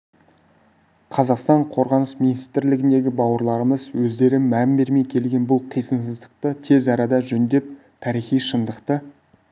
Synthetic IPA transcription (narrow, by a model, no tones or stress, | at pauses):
qʰɑzɑqst̪ɑɴqʰo̞ɾʁɑnəsminist̪ɪɾlɪɡʲɪnd̪e̞ɡʲɪbɑwəɾlˠɑɾəməzwɵzd̪e̞ɾɪnːæmbe̞ɾme̞jkʲʰe̞lɡʲe̞nbʊlˠqʰijsənsəzd̪əqt̪ət̪ʰe̞zɑɾɑd̪ɑʒɵnd̪e̞p̚ | t̪ʰɑɾijχijʃənd̪əqt̪ə